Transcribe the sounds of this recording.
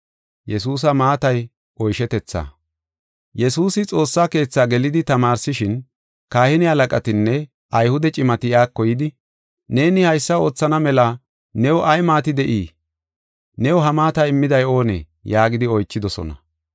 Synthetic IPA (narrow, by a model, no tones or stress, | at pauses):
jɛsuːs̬ɐmaːt̪ɐj | ʔɔjʃɛt̪ɛt͡sːa̰ː | jɛsuːsɪt͡sʼo̞ːsːaːke̞ːt͡sːaːɡɛlɪd̪ɪt̪ɐmaːɾsɪʃɪn | kaːhɪnɪhɐlɐkʼɐt̪ɪnːɛ | ʔɐjhʊd̪ɛt͡ʃʼɪmɐt̪ɪjaːkːɔjɪd̪ɪ | ne̞ːnɪhɐjsːɐo̞ːt͡sːɐnɐmɛlɐ | nɛwɔʔɐjmaːt̪ɪd̪ɛʔiː | nɛwɔɦɐmaːt̪ɐɪmːɪd̪ɐjo̞ːnɛ̰ | jaːɡɪd̪ɪɔjt͡ʃːɪd̪ɔsɔ̰nɐ̰